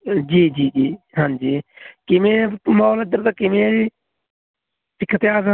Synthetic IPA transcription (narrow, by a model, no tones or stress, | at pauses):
d͡ʒiːd͡ʒiːd͡ʒiː | ɦãːd͡ʒiːkɪmẽmalad̪əɾt̪akɪmẽi | sɪkʰːət̪jaːza